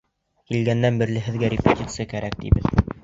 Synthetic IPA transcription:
kilɡænːænbɘ̆ɾlɘ̆ɦɘ̆ðɡæɾʲɪpʲɪtʲit̪sɨjakæɾæk̚t̪ḭbɘ̰ð

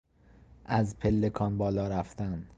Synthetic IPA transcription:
ʔæzpʰelːekʰɒːnbɒːlɒːɾæft̪æn

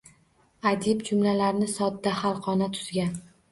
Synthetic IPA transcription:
ad͡ʒ̪ɪbd͡ʒʊmlalaɾnɪsɒd̪ːahalˠqɒnat̪ʰʊ̥z̥ɡʲan

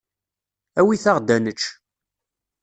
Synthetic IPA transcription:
æwiθaʁd̪ænət͡ʃː

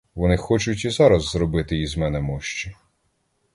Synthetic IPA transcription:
ʋɔnɪxɔt͡ʃʊtʲizɑɾɐzːɾɔbɪt̪ɪizmɛnɛmɔʃt͡ʃɛ

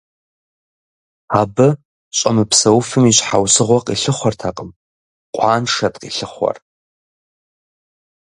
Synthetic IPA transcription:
abɨ | ɕʷʼamɨpʰsɐwfɨmiɕʷħawsɨʁʷɔqʼiɬɨχʷartʰaqʼəm | qʷʼaːnʂatʼqʼiɬɨχʷa̰r

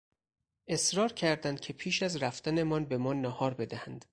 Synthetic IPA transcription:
ʔe̞sɾɒːɾcʰæɾd̪ænd̪̚cʰe̞pʰiːʃæzɾæft̪æne̞mɒnbe̞mɒːnːɒhɒːɾbe̞d̪æhænd̪̥

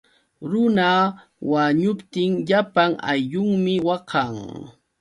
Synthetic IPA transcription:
ɾʊna | waɲʊpt̪ɪŋʎapaŋa̰jʎʊŋmɪwɑkʰɑŋ

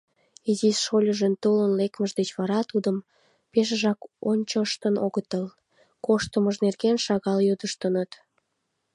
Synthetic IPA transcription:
izisʃolʲəʒənt̪olənlekməʒd̪et͡ɕβɑɾɑt̪ud̪əm | peʃ̬əʒɑkonʲt͡ɕoʃt̪ənʔoɣət̪əl | koʃt̪əməʒnerɣenʃɑɣɑljød̪əʃt̪ənət̪

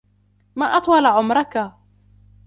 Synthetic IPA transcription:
maːʔɑt̪ˤwɑlaʕʊmɾˤɑka

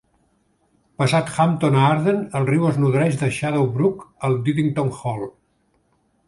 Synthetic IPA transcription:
pəsat̪xamt̪onaɾðenəlˠriwəznuðɾɛʒðəʃaðowβɾukəlˠd̪iðiŋt̪oŋxɔlˠ

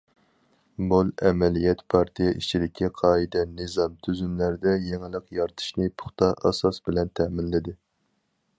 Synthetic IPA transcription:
bulˠɛmɛlijɛt̪pʰɑɾt̪ʰijɛʔit͡ʃʰid̪ɪkʲɛqʰɑːid̪ɛnɨzɑmt̪ʰyzymlæɾd̪ɛjeŋɪlˠəqjɑɾt̪ʰɨ̥ʃnɨpʰʊ̥χt̪ɑʔɑ̰sɑsbɪlɛnt̪ʰɛmɪnlɪd̪ɪ

